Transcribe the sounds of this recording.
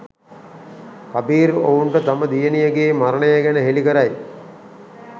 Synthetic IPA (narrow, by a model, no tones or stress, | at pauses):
kabiːɾo̰uɳʈət̪aməd̪ijənijəɡeːmaɾəɳəjəɡɛnəɦelikəɾaj